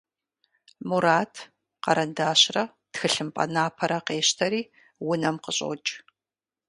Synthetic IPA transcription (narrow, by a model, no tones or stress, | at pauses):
muɾaːtʰ | qɐɾɐndaːɕrɐ | txɨɬɨmpʼɐ̰naːpʰɐɾɐqeːɕtʰɐɾiː | wʊnɐmqəɕʼo̰t͡ʃʼ